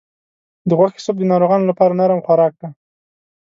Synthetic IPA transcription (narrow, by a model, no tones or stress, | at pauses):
d̪əɣwaxɪ̥sob̚d̪ənɑɾoɣɑnolapɑɾanaɾamxwaɾɑkɽa